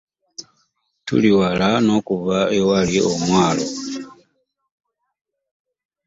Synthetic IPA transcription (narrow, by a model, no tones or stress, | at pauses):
tṵliwalano̞kuβaewaliʔomwaːlo